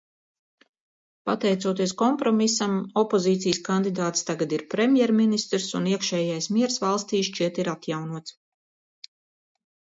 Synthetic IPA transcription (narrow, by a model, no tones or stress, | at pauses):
pa̰t̪ɛjt̪suɔːt̪iɛskɔmpɾɔmisamɔpoziːt̪sijskand̪id̪aːt̪st̪aɡad̪iɾpɾemʲjɛɾminist̪ɾsṵniɛkʃɛːjajsmiɛɾsvalˠst̪iːʃt͡ʃiɛt̪iɾat̪jawnuɔt̪s